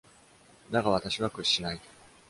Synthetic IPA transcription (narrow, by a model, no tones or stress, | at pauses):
d̪aɡaβat̪aɕiβakɯ̟ɕːinai